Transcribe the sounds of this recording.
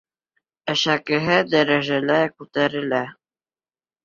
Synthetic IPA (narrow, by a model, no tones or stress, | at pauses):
æʃækɘ̆ɦɘd̪æɾæʒælækʉt̪æɾɘ̆læ